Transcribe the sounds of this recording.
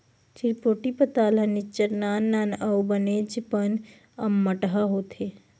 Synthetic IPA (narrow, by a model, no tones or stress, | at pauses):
t͡ʃiɾpoːʈipət̪aːlɐnit͡ʃːəɾnaːnːaːnɐwbəned͡ʒipən | ɐmːəʈɦaɦoːt̪ʰeː